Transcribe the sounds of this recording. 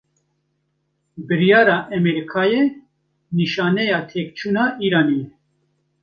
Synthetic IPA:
bɨɾijɑːɾɑːʔɛmɛɾikʰɑːjɛ | niʃɑːnɛjɑːt̪ʰeːk̚t͡ʃʰuːnɑːʔiːɾaːnijɛ

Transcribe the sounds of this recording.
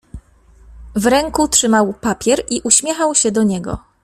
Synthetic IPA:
vɾɛŋkutʂɘmawpapʲjɛɾʔiʔuɕmʲjɛxawɕɛd̪ɔɲɛɡɔ̰

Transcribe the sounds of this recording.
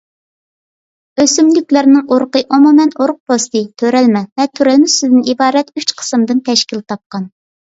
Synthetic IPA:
øsymlykʲlɪɾnɪŋoɾqəʔomumɛnoɾq̚post̪ɨt̪ʰøɾɛlmɛvɛt̪ʰøɾɛlmɪsɪd̪ɪnibɑːɾɛt̪yt͡ʃqʰə̥sɨmd̪ɨnt̪ʰɛʃkʲilt̪ʰɑp̚qɑn

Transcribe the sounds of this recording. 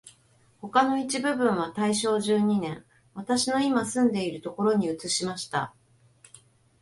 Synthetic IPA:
ho̞kano̞it͡ɕibɯ̟bɯ̟̃ɰ̃β̞at̪aiɕo̞ːʑɨːɲ̟inẽ̞ŋ | βat̪aɕino̞imasɨ̃nd̪e̞iɾɯ̟t̪o̞ko̞ɾo̞ɲ̟iɯ̟t͡sɨɕimaɕi̥t̪a̰

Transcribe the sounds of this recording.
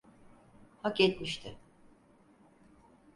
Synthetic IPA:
haket̪miʃt̪ʰɪ

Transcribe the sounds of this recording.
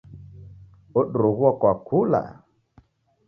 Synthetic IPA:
oɗɾuɣwɔkwakʰula̰

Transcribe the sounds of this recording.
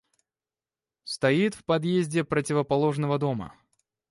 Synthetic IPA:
st̪ɐit̪fpɐd̪jezʲdʲɪpɾətʲɪvəpɐlˠo̞ʐnəvəd̪o̞mə̰

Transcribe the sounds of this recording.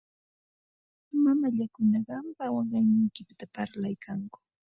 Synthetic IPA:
mamaʎakʊnɑɢɑmpawɑɢɑjnajkɪpɪt̪apaɾlajkʰaŋkʊ̥

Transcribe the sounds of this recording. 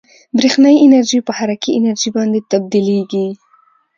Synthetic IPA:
bɾexnajɪnaɾʒipəhaɾakiɪnaɾʒibɑnd̪et̪ab̚d̪ileɡi

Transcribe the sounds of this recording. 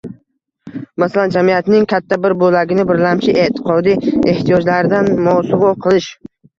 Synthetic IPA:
masaland͡ʒamijat̪nɪŋkʲʰat̪ʰːabɪɾbolaɡʲɪnɪbɪɾlamt͡ʃʰɪʔe̞t̪ʰɪ̥qʰɒd̪ije̞ht̪ijɒd͡ʒlaɾɪd̪anmɒsʊʁɒqʰɨlˠɪʃ

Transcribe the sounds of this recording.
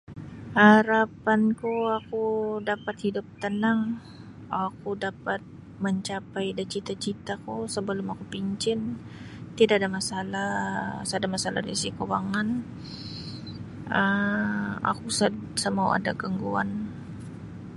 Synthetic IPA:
haɾapankuakudapat̪̚hidʊp̚t̪ənaŋ | akudapat̪̚ | məɲt͡ʃapajdat͡ʃit̪at͡ʃit̪akusəbəlʊmakupiɲt͡ʃɪnt̪idaʔadamasalasəadamasala̰ɾisikowaŋan | ə | a̰kusəsəmaw̰a̰da̰kəŋɡua̰n

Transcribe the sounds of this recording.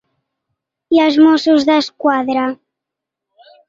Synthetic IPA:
jazmosuzðəskwaðɾa

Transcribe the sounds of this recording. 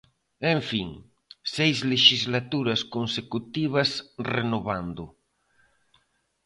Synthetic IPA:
eɱfiŋ | sejzleʃizlat̪uɾɐskonsekut̪iβ̞asrenoβand̪ʊ

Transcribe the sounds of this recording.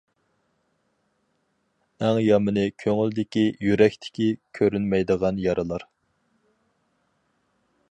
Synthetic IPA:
ɛŋjɑmɨnɨkʲʰøŋyld̪ɪkʲijyɾɛkʲt̪ʰɪ̥kʲikʲʰøɾynmɛjd̪əʁɑnjɑɾʔɨlˠɑɾ

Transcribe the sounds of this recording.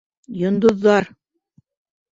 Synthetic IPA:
jŏnd̪ŏðːɑɾ

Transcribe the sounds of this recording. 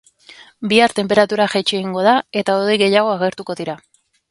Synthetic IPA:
biaɾt̪e̞mpe̞ɾat̪uɾaʝet͡ʃieɣiŋɡo̞ð̞ae̞t̪aoðejɣe̞jaɣ̞o̞aɣe̞ɾt̪uko̞ðiɾa

